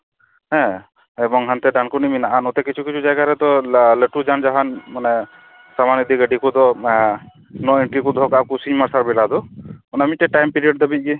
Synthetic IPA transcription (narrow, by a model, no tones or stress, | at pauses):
ɦɛ̃ | ɛbɔŋɦant̪ɛɖankuniminaʔanut̪ɛkit͡ʃʰukit͡ʃʰud͡ʒajɡaɾɛt̪ɔləʈud͡ʒand͡ʒaɦanmanɛ | samanid̪iɡəɖikud̪ɔ | nɔiɳʈɾikud̪ʱɔkakusiɲmaɾsaɾbɛlad̪ɔɔnamiʈɛʈajmpiɾiɔɖ̚d̪əbic̚ˀɡi